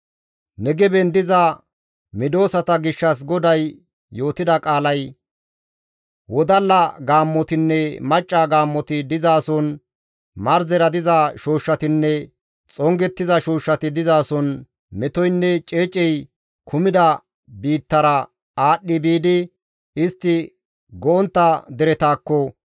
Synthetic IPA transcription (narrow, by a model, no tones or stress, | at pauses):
nɛɡɛbɛnd̪ɪzɐ | mɪd̪o̞ːsɐt̪ɐɡɪʃːɐs̬ɡɔd̪ɐjː | o̞ːt̪ɪd̪ɐkʼaːlɐj | wɔd̪ɐlːɐɡaːmːɔt̪ɪnːɛmɐt͡ʃʼːaɡaːmːɔt̪ɪd̪ɪzaːsɔn | mɐɾzɛɾɐd̪ɪzɐʃoːʃːɐt̪ɪnːɛ | t͡sʼɔŋɡɛt̪ːɪzɐʃoːʃːɐt̪ɪd̪ɪzaːsɔn | mɛt̪ɔjnːɛt͡ʃʼe̞ːt͡ʃʼːɛj | kʰʊmɪd̪ɐ | biːt̪ːɐɾɐ | aːɗːɪbiːd̪ɪ | ɪst̪ːɪ | ɡɔɔnt̪ːɐd̪ɛɾɛt̪aːkːɔ